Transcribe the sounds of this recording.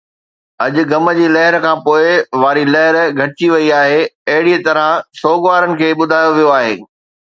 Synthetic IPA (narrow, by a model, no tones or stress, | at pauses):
ɐʄʊ̆ɡɐmə̆d͡ʑiːlɐɦɪɾkʰãːpoːɪʋaːɾilɐɦɪɾɡʱɐʈɪt͡ɕiʋɐiaːɦeɐɦɪɽiət̪ɐɾəsoːɡʋaːɾənɪ̆kʰeːɓʊd̪ʱaːjoʋijoaːɦḛː